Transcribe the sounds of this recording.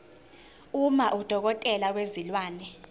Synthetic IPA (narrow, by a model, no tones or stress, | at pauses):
umaʔud̥ʱɔk̬ɔtʼɛlak̬wezilwaːnɛ